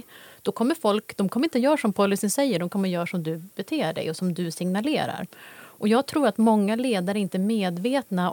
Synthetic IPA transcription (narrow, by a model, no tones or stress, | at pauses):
d̪̥ɔkʰɔmːəɾfɔlkd̪̥ɔmkʰɔmːɾɪnt̪əjœːɾʂɔmpʰɔlːɪsɪnsɛjːəɖɔmkʰɔmːəjœːɾaʂɔmd̪ɵbɛt̪ʰeːɖɛ̰jɔsɔmd̪ɵsɪŋnalḛːɾa̰ɾʔɔjɑːɡ̚t̪ʰɾuːɾat̪mɔŋːaleːd̪aɾəɪnt̪əɛɾmeːd̪veːt̪na